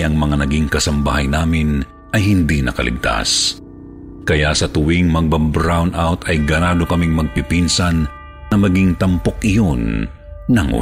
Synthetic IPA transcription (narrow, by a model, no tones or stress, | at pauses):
ʔɐŋmɐŋanɐɡiŋkɐsɐmbaɦɐjnaːmɪn | ʔɐjɦɪnd̪inɐ̰kɐ̰lʔɪ̰ɡ̚t̪a̰s | kɐjaʔsɐt̪ʊwiŋmɐɡ̚bɐbɾawnʔawt̪ɐjɡɐnaːd̪okɐmiŋmɐɡ̚pɪpinsɐnː | ɐmɐɡiŋt̪ɐmpokʔɪjonː | ɐŋʔṵ